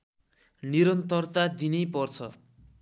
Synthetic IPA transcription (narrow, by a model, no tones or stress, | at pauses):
niɾʌnt̪ʌrt̪ad̪inʌjpʌrt͡sʰʌ̰